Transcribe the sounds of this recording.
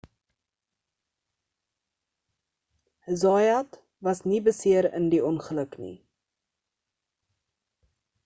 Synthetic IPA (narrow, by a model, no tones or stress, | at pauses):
həzɑːjɐt | vɐsnibəsiəɾə̰ndiɔnχələknḭ